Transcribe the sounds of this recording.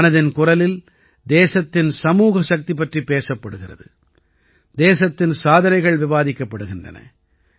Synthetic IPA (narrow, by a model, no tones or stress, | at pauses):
nɐðɪnkʊrɐlɪl | d̪eːsɐt̪ːɪnsɐmuːɣɐʃɐk̚t̪ipɐʈripeːsɐpːɐɽɯɣɪrɐ̰ðɯ | d̪eːsɐt̪ːɪnsaːðɐnɐɪɣɐɭʋɪʋaːðɪkːɐpːɐɽɯɣɪndrɐ̰nɐ̰